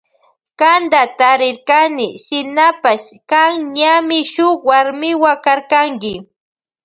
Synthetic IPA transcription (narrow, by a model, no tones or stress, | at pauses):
kand̪at̪aɾɪɾkanɪʃɪnapaʃ | kaŋɲamɪʃʊkwaɾmɪwakaɾkaŋkɪ